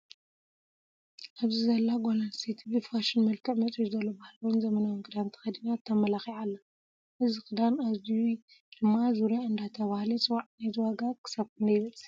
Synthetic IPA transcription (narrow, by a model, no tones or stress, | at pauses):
ʔaβzizɐlːaɡolanset̪ʰibifaʃinmɐlkʰɨʕmɐt͡sʼizɐlːobahlɐwunzɐmɐnawnkʼɨd̪ant̪ʰɐ̥xɐd̪inat̪ʰːɐmɐlaxiʕalːɐ | ʔɨzixʼɨd̪anazu | d̪̥ɨmːazuɾjaɨnd̪at̪ʰɐβahlit͡sʼɨwaʕnajzɨwaɡakʰɨ̥sɐβkʰɨnd̪ɐjβɐlsʼi̥